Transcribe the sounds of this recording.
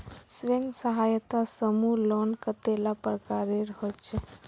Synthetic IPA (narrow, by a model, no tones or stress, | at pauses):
sʋeŋɡsəɦaːjət̪asəmulɔnkət̪elapəɾəkaɾeɾɦot͡ʃʰe